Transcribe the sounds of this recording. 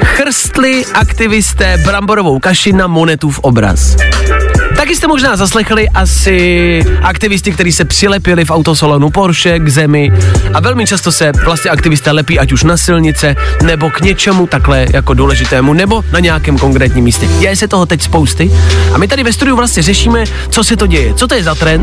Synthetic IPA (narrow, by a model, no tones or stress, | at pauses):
xr̩st̪lɪʔakt̪ɪvɪst̪ɛːbɾamboɾo̞vo̞wkaʃɪnamo̞nɛt̪ufʔobɾa̰s | t̪akɪst̪ɛmoʒnaːzaslɛxlɪʔasɪʔakt̪ɪvɪst̪ɪkt̪ɛɾiːsɛpr̥ɪlɛpɪlɪfʔawt̪osalonupoɾʃɛɡzɛmɪʔavɛlmɪt͡ʃast̪o̞sɛvlast̪ɲɛʔakt̪ɪvɪst̪ɛːlɛpiːʔacuʃnasɪlɲɪt͡sɛnɛbo̞kɲɛt͡ʃɛmut̪aklɛjʔako̞duːlɛʒɪt̪ɛːmunɛbo̞naɲɛjakɛːmko̞ŋkɾɛːt̪ɲiːmiːscɛjɛjɛsɛt̪oɦot̪ɛcspo̞wst̪ɪʔamɪt̪̬adɪvɛst̪udɪuvlast̪ɲɛrɛʃiːmɛ | t͡so̞sɛt̪oɟɛjɛt͡sot̪ojɛzat̪ɾɛn